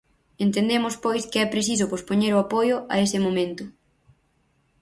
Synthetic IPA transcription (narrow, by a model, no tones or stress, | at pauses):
ent̪end̪emʊspojskɪɛpɾesis̬ʊpospoɲeɾʊapojʊʔɐesɪmomẽnt̪ʊ